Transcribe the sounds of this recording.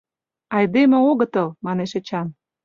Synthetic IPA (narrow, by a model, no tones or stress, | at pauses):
ɑjd̪emĕoɣɤ̆t̪ə̆lmɑneʃĕt͡ɕɑn